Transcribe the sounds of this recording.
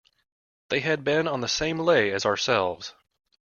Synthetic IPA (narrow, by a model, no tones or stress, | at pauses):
ðeɪɨd̚bɪ̃nə̃nðɨsẽɪ̃mleɪɨzəə˞sɛ̰lˠvz̥